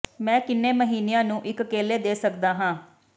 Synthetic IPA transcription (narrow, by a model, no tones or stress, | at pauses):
mɛ̃ːkɪnːeːməɦiːnejãːnũːʔɪkəkeːleːd̪eːsəkd̪aːɦãː